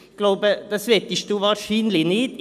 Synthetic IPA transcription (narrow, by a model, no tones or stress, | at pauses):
ɡ̥lɑʊbəd̪ɛsʋɛt̪əst̪uːʋɑɾsyːnlɪneːd̪